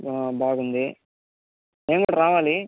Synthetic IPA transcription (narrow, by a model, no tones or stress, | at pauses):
baːɡund̪i | eːŋoɽɾaːʋaːli